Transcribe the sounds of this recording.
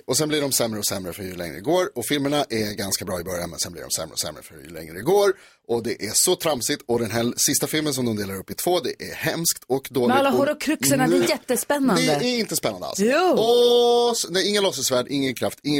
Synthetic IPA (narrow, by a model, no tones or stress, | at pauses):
ɔsɛnblɪɖɔmsɛmːɾəɔsɛmːɾəfœɾjɵlɛ̰ŋːɾə̰ɪɡoːɾɔfɪlməɳaʔɛɡanskabɾɑːɪbœɾja̰nmɛ̰nsɛ̰nblɪ̰ɖɔ̰msɛ̰mɾə̰ɔ̰sɛ̰mːɾə̰fœɾjɵ̰lɛ̰ŋɾə̰d̪ɛɡoːɾ | ɔd̪ɛʔæʂɔt̪ʰɾamsɪt̪ɔd̪ɛnɦæsɪst̪afɪlməns̬ɔmd̪ɔmd̪eːlaɾɵpːɪt̪ʰv̥oːd̪ɛʔæɾhɛmskt̪ʰɔkd̪oːlɪlhaɾɔkʰɾʏksənad̪ɛːjɛt̪ːəspɛnːanɛd̪əæɾɪnt̪əspɛnːand̪a̰lsɔsnɛɪŋːalɔsəsvæːɖʔɪŋːənkʰɾaft̪ɪŋː